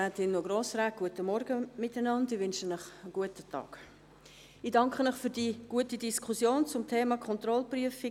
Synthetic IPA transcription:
aːtɪnːoɡɾoːsɾɛɡ̚ɡ̥uətəmɔɾɡəmɪtanɑndɪvʏnʃənəχəɡ̥uətətʰɑ̰ːk | idɑŋkχənəχfyːɾd̥iɡ̥uətidiskʰusjoːnt͡sʊmtʰeːmɑkʰɔntɾɔlpryəfi

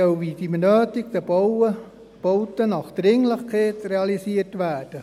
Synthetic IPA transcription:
œlʋidimənœːtiɡd̪ɛbowə | b̥owtənɑχd̪̥ɾɪŋləχkʰeːtreɑlisiətʋæːd̥ə

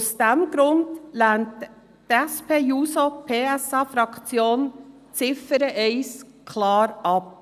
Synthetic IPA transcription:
sd̥ɛmɡɾʊnd̥lænt | tɛspʰeːjuːsopʰeːɛsɑːfɾɑkt͡sjoːn | t͡sɪfəɾəʔɛɪs | kʰlɑːɾɑp̚

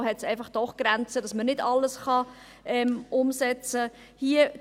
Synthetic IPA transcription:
ɦɛtsɛɪfɑχd̥ɔχɡ̥ɾænt͡sədɑsmənɪdɑlːəsχɑ | ʔɛmʔʊmsɛt͡sə | hiə

